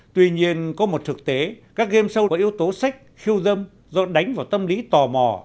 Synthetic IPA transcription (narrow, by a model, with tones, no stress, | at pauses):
t̪wi˧ɲi˧ənkɔ˨˦mo˨˩t̚t̪ʰɨ˨˩k̚t̪e˨˦kaː˦˥k̚ɣe˧msə˧wʔi˨˦əwt̪o˨˦sa˦˥jk̟̚xi˧əwzə˧m | zɔ˧ɗa˨˦jŋ̟vaː˨˩wt̪ə˧mli˨˦t̪ɔ˨˩mɔ̰˧˨˩